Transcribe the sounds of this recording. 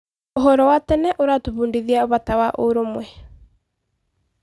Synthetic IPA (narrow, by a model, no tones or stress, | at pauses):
oɦɔɾɔwatɛnɛʔoɾatoβuːndiðiaoβatawaʔoɾomwɛ